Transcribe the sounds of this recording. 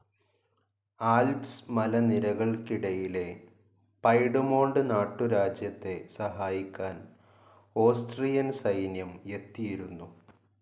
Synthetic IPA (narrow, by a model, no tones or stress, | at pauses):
aːlpsmɐlɐniɾɐɣɐɭkiɽɐjile̞ | pɐjɽumo̞ːɳɖɨnaːʈːuɾaːd͡ʑjɐt̪ːe̞sɐɦaːjikʲːaːn | o̞ːsʈrijɐnsɐjnjɐmje̞t̪ːijiɾunːu